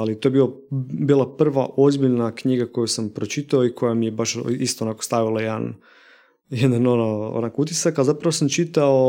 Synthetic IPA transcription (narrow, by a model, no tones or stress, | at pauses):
alit̪o̞jebilabiːlˠapr̩ʋaʔo̞zbiʎnakɲiɡako̞jusampɾot͡ʃit̪aoikʰo̞jamijebaʃist̪oonakost̪aʋilˠajed̪a̰n | jed̪anonoo̰nakout̪̬isakalzapɾaʋosamt͡ʃit̪ao